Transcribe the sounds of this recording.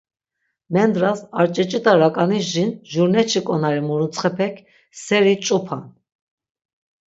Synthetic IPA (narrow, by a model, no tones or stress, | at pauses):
mɛnd̪ɾasaɾt͡ʃʼɛt͡ʃʼit̪aɾakʼaniʒinʒuɾnɛt͡ʃʰikʼɔnaɾimuɾunt͡sʰʼχɛpʰɛkʰ | sɛɾit͡ʃʼupʰan